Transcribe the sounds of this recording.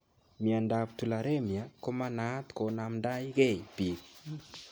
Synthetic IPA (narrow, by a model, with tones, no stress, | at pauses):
mja˨nda˨ptu˨la˨ɾe˦mja˨ko˦ma˦na˦t̪ko˨na˨mnda˦i˦ɡe˦˨pi˨k̚